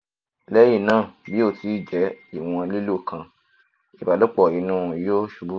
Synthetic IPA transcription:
lɛ˦ji˦˨nãː˦˨bi˨˦o˦˨ti˨˧˦d͡ʒɛ˨˦i˦˨w̃ɔ̃˧li˦lo˦˨kʰã˧ | i˨ba˨lɔ˦k͡pɔ˦˨i˨˧˦nũ˦˨˦jo˦ʃu˨˧˦bu˦

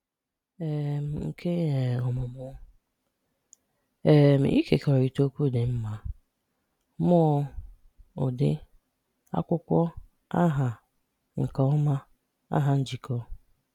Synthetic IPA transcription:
e˨m̩˨ŋ̩˨kʰe˦e˨ɔ˨mʊ˨mʊ˦ | e˨m̩˨ʔi˦ke˨kɔ˨ɾi˨to˦kʷu˦˨dɪ˨m̩˦ma˨ | mɔ˦ | ʊ̰˨dɪ̰˦ | a̰˦kʷʊ˦kʷɔ˦ | a˦ɦa˨ | ŋ̩˨kɔ˦ɔ˦ma˦ | a̰˦ɦa˨n̩˦d͡ʒi˨kɔ˦

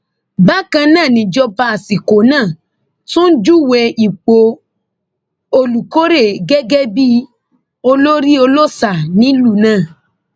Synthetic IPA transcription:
ba˦kã˧nãː˦˨nĩ˨d͡ʒɔ˧ba˧a˨si˨ko˨˦nãː˦˨ | tũ˦n̩˦d͡ʒu˦˨wɛ˧i˨k͡po˧˦ | o˧lu˨ko˦ɾe˦˨ɡɛ˦ɡɛ˦bi˦ | o˧lo˦ɾi˦o˧lo˦sa˨nĩ˦lu˦˨nãː˦˨

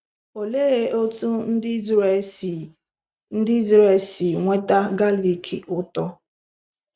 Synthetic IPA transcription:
o˨le˦ɣe˦ʔo˦tu˦n̩˦dɪ˦z | n̩˦dɪ˦i˦zɾe˨si˨ŋʷe˦ta˦ɡa˦li˨kʰḭ˨ʔʊ˦tɔ˦

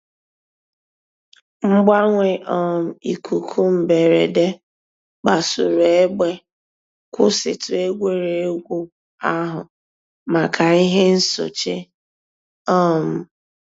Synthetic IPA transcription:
ŋ͡m̩˦ɡ͡ba˦ŋʷe˨ʔɔ˦m̩˨i˨ku˨kʰu˦m̩˨be˨ɾe˨de˦ | k͡pa˨sʊ˨ɾu˨e˦ɡ͡be˦ | kʷʊ˦sɪ̰˨tʊ˨e˦ɡʷe˦ɾe˨˦ɡʷu˦ | a˦ɦʊ˨ | ma˨kʰa˨i˦ɦe˦n̩˦so̰˨t͡ʃe˦ | ɔ˦m̩˨

